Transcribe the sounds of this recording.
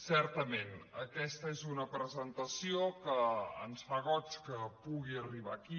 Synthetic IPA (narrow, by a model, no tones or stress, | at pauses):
sɛɾt̪əmenəkɛst̪əezunəpɾəzənt̪əsiokəə̰nsfaɣ̞ɔt͡ʃkəpuɣiəriβ̞a̰ki